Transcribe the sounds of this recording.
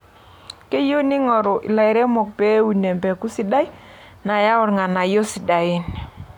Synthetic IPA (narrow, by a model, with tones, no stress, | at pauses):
ke˦jo˦nɪ˦ŋɔ˨ɾɔ˨ʔɪ̰˨la˨ɪ˨ɾɛ˦mɔ˨k̚pe˦wu˨ne˨mbɛ˨ku˦si˦da˦j | na˨ja˦ʊ˦ɾŋa˨na˨jo˦sɪ˨da˨ɪ˦n